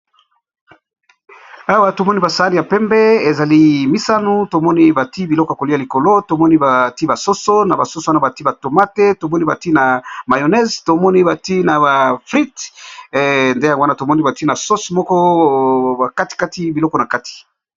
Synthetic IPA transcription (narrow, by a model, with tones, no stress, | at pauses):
a˦wa˦to˨mɔ˦ni˦ba˨sa˨˦n˨a˨pɛ˦mbɛ˦e˨za˨li˦mi˦sa˦nu˦to˨mɔ˦ni˦ba˨ti˦bi˨lɔ˦ko˨a˨ko˨li˦a˨li˨ko˨lo˦to˨mɔ˦ni˦ba˨ti˦ba˨so˦so˦na˨ba˨so˦so˨wa˦na˨ba˨ti˦ba˨to˨ma˦te˦to˨mɔ˦ni˦ba˨ti˦na˨ma˨jo˨nɛ˦zto˨mɔ˦ni˦ba˨ti˦na˨ba˨fʁi˦t | nde˦ja˨wa˦na˦˨to˨mɔ˦ni˦ba˨ti˦na˨so˦so˨mɔ˦kɔ˦ | a˨ka˦ti̥˨ka˦ti˦bi˨lɔ˦kɔ˨na˨ka˦ti̥˨